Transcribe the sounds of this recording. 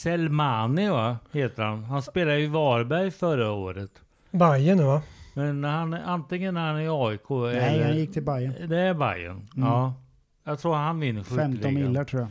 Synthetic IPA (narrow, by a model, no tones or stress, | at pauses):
sɛlmaːnɪvaheːt̪əɾhanɦanspeːlad̪əjʊvɑːɾbæɾjfœɾaoːɾət̪ | bajənɛvamɛnːæɾhanant̪ɪŋːənːæɾhanæɾɑːɪkʰoːɛlːəjɪkːt̪ʰɪlbajəd̪ɛæɾba̰jːə̰nɔː | jɑɡt̪ʰɾuːɾhanvɪnːəɧʏfɛlɔnɪlːatʰɾuːja